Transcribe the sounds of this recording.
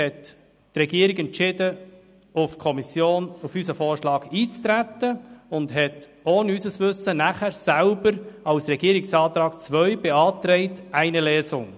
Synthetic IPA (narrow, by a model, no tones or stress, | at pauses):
ɛtː | rɛɡiːəɾɪɡɛnt͡ʃɪdə | ʊfkʰɔmisjoːnufysəfɔːɹʃlɑːɡiːt͡st̪ɾæt̪ːəʊnd̪ɦɛt | oːnysəsʋʏsːənæχæɾsælbəɾɑlsɾɛɡiːəɾɪksɑːt̪ɾɑːkt͡sʋœʏb̥eɑːt̪ɾɛɪtæɪnəlɛːsʊŋ